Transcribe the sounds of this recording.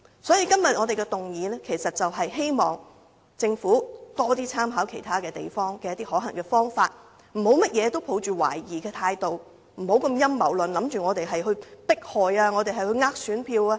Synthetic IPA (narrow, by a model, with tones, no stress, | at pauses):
sɔː˨˥jiː˨˧kɐ˥mjɐ˨t̚ŋɔ˨˧t̪e˨jkɛ˧t̪ʊ˨˩ŋjiː˨˧nɛ˥kʰe˨˩sɐ˨t̚t͡sɐ˨wɦɐ˨jɦe˥jmɔː˨ŋ | t͡sɪ˧ŋfuː˨˥t̪ɔː˥t̪iː˥t͡sʰaː˥mɦaː˨˥wkʰe˨˩jt̪ʰaː˥kɛː˧t̪ḛ˨˩jfɔː˥ŋkɛː˧jɐ˥t̪iː˥hɔː˨˥ɦɐ˨˩ŋkɛː˧fɔː˥ŋfaː˧t̚ | m̩˨˩ho˨˥wmɐ˥t̚jɛː˨˧t̪o˥wpʰo˨˥wt͡ʃyː˨wa̰ː˨˩jjiː˨˩kɛː˧t̪ʰaː˧jt̪o˨w | m̩˨˩ho˨˥wkɐ˧mjɐ˥mːɐ˨˩wlɵ˨nlɐ˨˥mt͡ʃyː˨ŋɔː˨˧t̪e˨jɦɐ˨jɦɵ˧ɥpɪ˥k̚hɔː˨jaː˧ŋɔː˨˧t̪e˨jɦɐ˨jhɵ˧ɥŋaː˥k̚syː˨˥npʰiː˧waː˧